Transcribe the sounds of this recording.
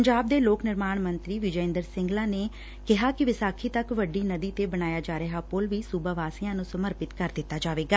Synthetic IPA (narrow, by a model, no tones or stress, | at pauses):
əɲd͡ʒaːb̚d̪eːloːknɪɾmaːɳmə̃nt̪ɾiːʋɪd͡ʒəɪ̃nd̪əɾsɪ̃ŋɡlaːneː | kɪɦaːkɪʋɪsaːkʰiːt̪əkʋəɖiːnəd̪iːt̪eːbəñaːjaːd͡ʒaːɾəɦaːpolʋiːsuːbəʋaːsiːjãːnũːsəməɾpɪt̪kəɾd̪ɪt̪ːaːd͡ʒaːʋeːɡaː